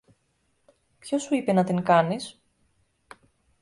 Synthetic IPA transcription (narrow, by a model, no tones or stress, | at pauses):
pço̞suipe̞nɐt̪iŋkɐnis